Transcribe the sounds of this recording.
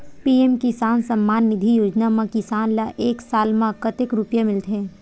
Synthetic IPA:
piːemkɪsaːnsɐmːaːnːɪd̪ʱijoːd͡ʒnamãkɪsaːnlaʔeːksaːlmãkət̪ɪkɾʊpjamɪlt̪ɦɛ̃ː

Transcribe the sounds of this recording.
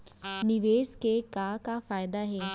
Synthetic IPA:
nɪʋeːskekakafaːjd̪aɦeː

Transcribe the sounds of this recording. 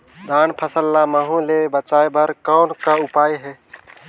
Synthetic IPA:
d̪aːnpʰəsəlːaməɦũlebət͡ʃaːjbəɾkɔːnkaʊpaːjɦɛː

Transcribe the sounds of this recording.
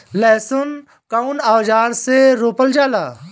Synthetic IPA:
lɛːsʊn | kaʊnaːd͡ʒaːɾseɾoːpəld͡ʒaːlaː

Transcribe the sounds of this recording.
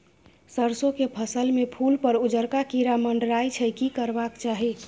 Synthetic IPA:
səɾsokepʰəsəlmepʰulpəɾud͡ʒəɾkakiɾaməɳɖɾajt͡ʃʰəkikəɾbakt͡ʃaɦi

